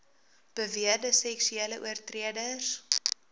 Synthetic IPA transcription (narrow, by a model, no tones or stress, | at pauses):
b̥əviədəsɛksyeːləʔṵərtriədəs